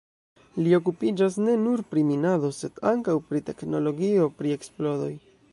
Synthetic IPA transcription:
lio̞kupid͡ʒas̬ne̞nuɾpɾiminado̞se̞d̥aŋkawpɾite̞kno̞lo̞ɡio̞pɾie̞ksplo̞ɾo̞j

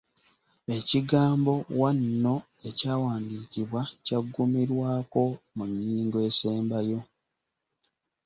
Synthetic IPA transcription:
e̞ciɡaːmbo̞wanːo̞ | e̞caːwaːndiːciβwacaɡːumiɾwaːko̞muɲːiːŋɡoe̞ːseːmbajo̞

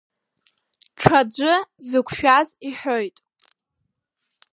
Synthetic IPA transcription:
ʈ͡ʂʰad͡ʒʷɨzɨkʷʰʃᶣaziħojtʼ

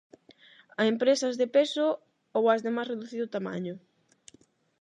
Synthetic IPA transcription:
ɐempɾesɐzðepesʊ | owɐzðemajsreðuθiðʊt̪ama̰ɲʊ

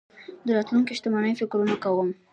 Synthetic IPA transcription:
d̪əɾɑt̪luŋkiʃt̪amɑnəjfɪkɾunakawəm

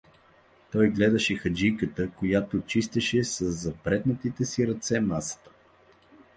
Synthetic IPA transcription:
t̪ɔjɡlɛd̪əʃɛxɐd͡ʒijkət̪əkojat̪ot͡ʃist̪ɛʃɛsəzːɐpɾɛt̪nət̪it̪ɛsiɾɐt̪sɛmasə̥t̪ə̥

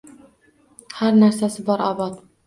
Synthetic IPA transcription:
haɾnaɾsasɪbɒɾɒbɑt̪

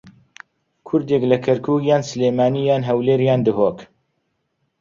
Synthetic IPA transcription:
kʰʊɾd̪eklɛkʰɐɾkʰuːkjaːnsɨleːmaːniːjaːnɦɛwleːɾjaːnd̪ɨɦoːk

